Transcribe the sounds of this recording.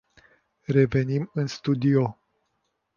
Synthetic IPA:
re̞ve̞nimɨnst̪ud̪io

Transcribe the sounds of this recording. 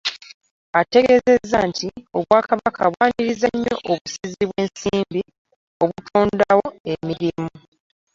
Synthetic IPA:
ate̞ɡe̞ːze̞zːantʰio̞βwaːkaβakʰaβwaːniɾizaɲːo̞̰ʔoβusiziβwe̞ːnsiːmbi | o̞βutʰuːndawo̞e̞miɾimu

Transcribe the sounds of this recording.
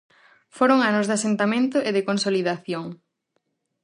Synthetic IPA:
foɾoŋanozðasent̪amẽnt̪ʊʔeðɪkonsoliðaθjoŋ

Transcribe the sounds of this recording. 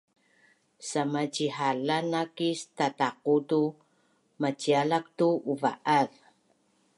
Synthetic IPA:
samat͡ɕiħalanakistataqutu | mat͡ɕialak̚tuuva̰ʔað

